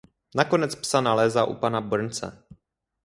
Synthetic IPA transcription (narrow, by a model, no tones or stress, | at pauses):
nakonɛt͡spsanalɛːzaːʔṵpanabr̩nt͡sɛ̰